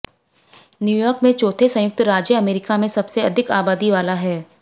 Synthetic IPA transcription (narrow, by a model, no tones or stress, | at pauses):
njuːjɔːɾkmẽt͡ʃoːt̪ʰesɐ̃jʊk̚t̪ɾaːd͡ʒjəɐmeːɾɪkamẽsɐbseɐd̪ʱɪkaːbaːd̪iʋaːlaɦɛː